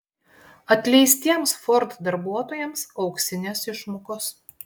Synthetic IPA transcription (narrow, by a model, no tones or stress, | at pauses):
ɐt̪ʲlʲɛɪsʲt̪ʲiɛmsfɔɾt̪d̪ɐɾbuɔt̪oːjɛmsɒʊksʲɪnʲesɪʃmokos